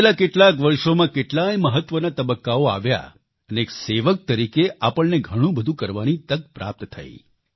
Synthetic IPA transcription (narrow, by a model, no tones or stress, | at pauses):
elakeʈlakʋəɾʃomãkeʈlajməɦət̪ʋənat̪əbəkːaoa̰ʋja̰ | əneːkseʋək̚t̪əɾikeʔapəɭneɡʱəɽ̃ũbəd̪ʱũkəɾʋanit̪ək̚pɾa̰p̚t̪t̪ʰa̰ḭ